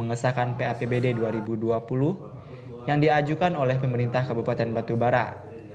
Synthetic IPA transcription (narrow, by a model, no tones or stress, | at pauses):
əŋəsakanpeapebededuaɾibuduapulʊh | jaŋdiad͡ʒukanolɛhpəməɾint̪ahkabupat̪ɛnbat̪ubaɾa̰t̪̚